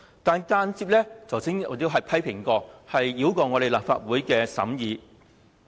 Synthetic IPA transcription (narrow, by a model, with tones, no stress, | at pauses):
t̪aː˨nkaː˧nt͡siː˧p̚lɛː˥t͡sʰɐ˨˩wsɪ˥ŋ˨˩ji˧ɦɐ˨jpʰɐ˥jpʰɪ˨˩ŋkɔː˧hɐ˨jːiː˨˥wkɔː˧ŋɔ˨˧ɾe˨jlaː˨p̚fa̰ː˧t̚wuː˨˥jkɛː˧sɐ̰˨˥mjiː˨˧